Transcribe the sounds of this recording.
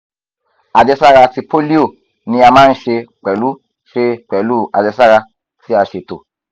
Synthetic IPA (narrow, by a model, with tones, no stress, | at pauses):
a˧d͡ʒɛ˧sa˦ɾa˧ti˧po˦li˦o˦˨ | nĩ˧˦a˧mãː˦n̩˦ʃe˧k͡pɛ˨lu˨˦ | ʃe˧k͡pɛ˨lu˦˨ʔa̰˨d͡ʒɛ˧sa˦ɾa˧ | ti˦a˧ʃe˧to̰˨